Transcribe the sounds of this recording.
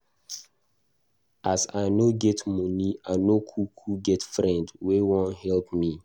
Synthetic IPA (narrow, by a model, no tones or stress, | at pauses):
ʔasaɪnoɡɛtmɔniaɪnokʰukʰuɡɛtfɹɛ̃ndwewɔ̃nhɛlp̚mi